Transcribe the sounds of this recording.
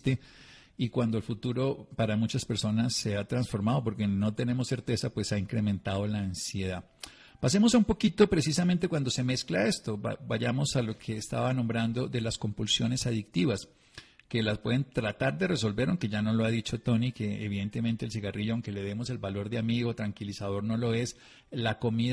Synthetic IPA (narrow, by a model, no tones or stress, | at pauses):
t̪e | ikwand̪oe̞lfut̪uɾo̞paɾamut͡ʃaspe̞ɾso̞nasːe̞at̪ɾansfo̞ɾmaðo̞po̞ɾke̞no̞t̪e̞ne̞mo̞sːe̞ɾt̪e̞sapwe̞saiŋkɾe̞mẽ̞nt̪að̞o̞laːnsje̞ða | pase̞mo̞saumpokit̪o̞pɾe̞sisamẽnt̪e̞kwand̪o̞se̞me̞sklae̞st̪o̰baʝamo̞salo̞kʰe̞ːst̪a̰βanõ̞mbɾand̪o̞ðe̞lasko̞mpulsjo̞ne̞saðik̚t̪iβas | ke̞laspwe̞ðe̞nt̪ɾat̪aɾd̪e̞re̞so̞lbe̞ɾaw̃ŋke̞ʝano̞lo̞aðit͡ʃo̞t̪o̞nike̞eβiðent̪e̞mẽ̞nt̪e̞ːls̬iɣariʝoawŋke̞le̞ðe̞mo̞se̞lbalo̞ɾd̪eamiɣo̞t̪ɾaŋkilisaðo̞ɾno̞lo̞es | lako̞mið